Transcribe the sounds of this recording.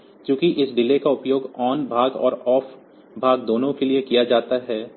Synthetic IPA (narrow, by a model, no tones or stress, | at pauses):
kjõːkiʔɪsɖɪlekaʊpjoːɡɔːnbʱaːɡɔ̰ːɾɔːf | bʱaːɡd̪oːnõkeliekijad͡ʒaːt̪aɦɛː